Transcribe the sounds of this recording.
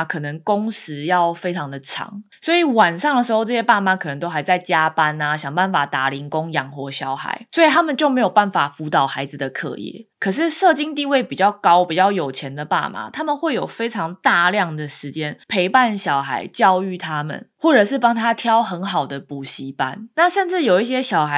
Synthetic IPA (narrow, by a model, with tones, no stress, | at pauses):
kʰɤ˨˩nə˧˦ŋko˥ŋʂɻ̩˧˦jɑ˥˩ʊfe˥ɪʈ͡ʂʰɑ˧˥ŋd̪ə˨ʈ͡ʂʰɑ̰˧˥˦ŋ | swɔ˧˥i˨˩wa˨˩nʂɑ˥˩ŋd̪ə˩ʂ̬ɻ̩˧˥xo˥˧ʊʈ͡ʂɤ˥˩ɕjɛ˥pa˥˩ma˨˩kʰɤ˨˩nə˧˦ŋt̪o˥xa˧˥ɪt͡sa˥˩ɪt͡ɕja˦pa˦na˨ɕjɑ˨˩ŋpa˥˩nfa˨˩t̪a˨˥li˧˥ŋko˦˥ŋjɑ˨˩ŋxwɔ˧˥ɕjɑ˧˥˦ʊxa̰˨˧˦ɪswɔ˧˥i˨t̪ʰa˥mə˨nt͡ɕjo˥˩ʊme˧˥ɪjo˨˩ʊpa˥˩nfa˨˩fu˧˥t̪ɑ˨˩ʊxa˧˥ɪd͡z̩˨d̪ə˩kʰɤ̰˨˩˦jɛ̰˥˩˦kʰə˨˩ʂ̬ɻ̩˥˨ʂɤ˥˨t͡ɕi˥ŋt̪i˥˧we˥˩ɪpi˨˩t͡ɕjɑ˥˩ʊkɑ˦˥ʊpi˨˩t͡ɕjɑ˥˩ʊjo˨˩ʊt͡ɕʰjɛ˧˦nd̪ə˨pa̰˥˩ma̰˨˩t̪ʰa˥mə˨nxwe˥˩ɪjo˨˩ʊfe˥ɪʈ͡ʂʰɑ˧˦ŋt̪a˥˧ljɑ˥˩ŋd̪ə˩ʂɻ̩˧˦t͡ɕjɛ˥npʰe˧˥ɪpa˥˨˩nɕjɑ˨˩ʊxa˧˥ɪt͡ɕjɑ˥˧ʊy˥˩t̪ʰa˦mə̰˨nxwɔ˥˩ʈ͡ʂɤ˨˩ʂɻ̩˥˩pɑ˥ŋt̪ʰa˥t̪ʰjɑ˥ʊxə˧˥nxɑ˨˩ʊd̪ə˨pu˨˩ɕi˧˥˦pa˦nna˥˨ʂə˥˧nʈ͡ʂɻ̩˥˩jo˨˩ʊi˥˩ɕ̬jɛ˥ɕjɑ˨˩ʊxa˧